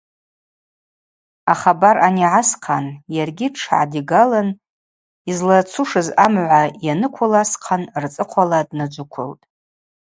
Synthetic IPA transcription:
aχabaraniʕasqʰanjarɡʲiʈ͡ʂʰʕa̰diɡalan | izlat͡sʰuʂɨzamʕʷajanɨkʷʰʊlasqʰanrt͡sʼɨqʷʰaladnad͡ʒʷʊkʷʰʊ̰ltʼ

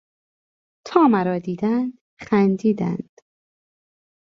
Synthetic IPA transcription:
t̪ʰɒːmæɾɒːd̪iːd̪ænd̪̥ | χænd̪iːd̪æ̰nd̪̥

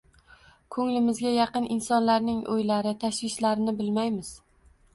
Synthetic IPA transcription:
kʰɵŋlɪmɪzɡʲajɑqɨnɪnsɒnlaɾnɪŋʔo̰jlaɾɪt̪ʰaʃwɪʃlaɾɪnɪbɪlmajmɪz̥

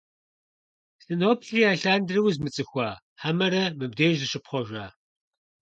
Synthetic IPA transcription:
sɨnoːpʰɬiːaːɬaːndrɨwzmɨt͡sʼɨxʷɑː | ħamɐɾɐmɨb̚deːʒzɨʃɨpχʷɔʒʷaː

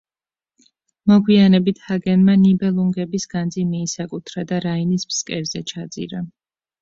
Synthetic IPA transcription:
mɔɡwianɛbit̪ʰhaɡɛnmanibɛlˠuŋɡɛbisɡ̥and̪zimiːsakʼut̪ʰɾad̪aɾainismskʼɛɾzɛt͡ʃʰad̪zʼḭɾa

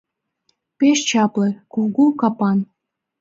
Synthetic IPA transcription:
peʃt͡ɕɑplĕkulɣukɑpɑn

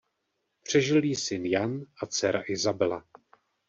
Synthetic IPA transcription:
pr̝̥ɛʒɪliːsɪnjanʔat͡sɛɾaʔɪzabɛla

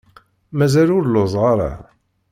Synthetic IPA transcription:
mæzælʊɾlozˤʁɑɾˤa̰

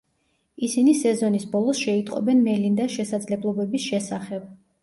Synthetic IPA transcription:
isinisɛzɔnisbɔlˠɔsʃɛit̪ʼqʼɔ̰bɛnmɛlind̪aʃɛsad̪zlɛblˠɔbɛbisʃɛsaχɛb̥̚

